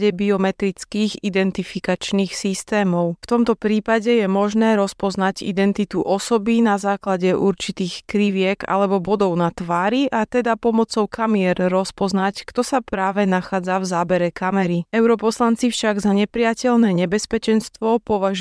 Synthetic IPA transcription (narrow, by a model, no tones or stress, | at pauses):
ɟɛbiɔmɛt̪ɾit͡skiːɣid̪ɛnt̪ifikat͡ʃniːxsist̪ɛːmɔʊft̪ɔmt̪ɔpɾiːpaɟɛjɛmɔʒnɛːɾɔspɔznaɟḭd̪ɛnt̪it̪uʔɔsɔbinazaːklaɟɛʔuɾt͡ʃit̪iːxkɾiʋɪɛɡa̰lɛbɔbɔd̪ɔʊnat̪ʋaːɾiʔat̪ɛd̪apɔmɔt͡sɔʊkʰamɪɛɾːɔspɔznackt̪ɔsapɾaːʋɛnaxaːd͡zavzaːbɛɾɛkamɛɾiɛʊɾɔpɔslant͡sifʃaɡzaɲɛpɾɪacɛʎnɛːɲɛbɛspɛt͡ʃɛnst̪ʋɔpɔʋaʒ